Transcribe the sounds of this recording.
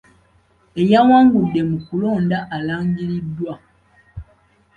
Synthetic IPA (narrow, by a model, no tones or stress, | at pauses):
e̞jawaːŋɡudːe̞mukulo̞ːndaʔalaːŋɡiɾidːwa